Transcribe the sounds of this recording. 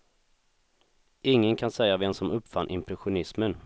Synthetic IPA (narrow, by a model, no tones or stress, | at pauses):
ʔɪŋːənkʰansɛjːavɛmsɔmɵpːfanʔɪmpʰɾɛɧʊnɪsmən